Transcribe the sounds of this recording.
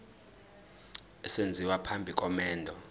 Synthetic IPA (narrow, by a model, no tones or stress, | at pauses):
ɛsend͡zʱiwapʰambʱikʼɔmɛːndʱɔ